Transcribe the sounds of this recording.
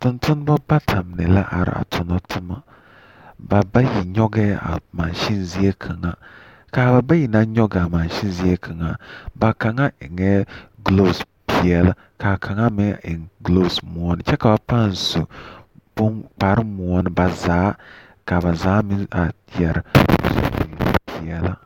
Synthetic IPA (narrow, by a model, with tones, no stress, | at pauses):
tʊ˨ntʊ˦n˦ba˦ba˦tʰa˨m˨nɛ˨la˦ʔa̰˨ɾ̰a̰˨tʰʊ˨na˦tʰʊ˦ma˨ | ba˨ba˦ji˨ɲɔ˦ɡɛ˦a̰˨ma˨nʃi˦nzi˦e˦kʰa˨ŋa˦ | ka˨ba˨ba˦ji˨na˦ɲɔ˦ɡa˨ma˨n˨ʃi˦n˦zi˦e˦kʰa˨ŋa˨ba˨ka˨ŋa˦ʔɪ˨ŋɛ˦ɡlo˦˨s | pi˨ɛ˨la˦ | ka˨kʰa˨ŋa˦mɛ˦ɪ˨ŋɡlo˦˨smu˨ɔ˦nɪ˨t͡ʃɛ˦ka˨ba˨pa˦˨n˨su˨b̥ʊ˦nk͡pa˨ɾɨ˦mu˨ɔ˦nɪ˨ba˨zaː˨˦ | ka˨βa˨zaː˨˦mɪ˦a˨ | jɛ˨ɾsṵ˨bḭ˨pʰi˨ɛ˨la˦